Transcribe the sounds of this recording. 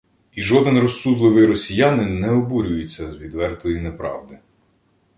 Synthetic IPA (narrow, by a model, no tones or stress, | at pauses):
iʒɔd̪ɛnrɔsːud̪lˠɪʋɪjɾɔsʲijɑnɪnɛɔbuɾʲʊjʊt͡sʲːɐzʋʲid̪ʋɛrt̪ɔjinepɾɑ̰wd̪ɪ